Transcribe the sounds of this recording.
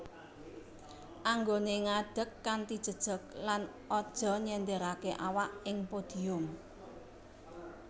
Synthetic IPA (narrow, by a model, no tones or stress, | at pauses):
ʔaŋɡoneŋaɖ̥ə̤kːant̪id̥ʒ̥ə̤d̥ʒ̥ə̤k̚lan | ʔɔd̥ʒ̥ɔ̤ɲɛnd̪ɛɾakeʔawaʔɪŋpod̪̥i̤ʊm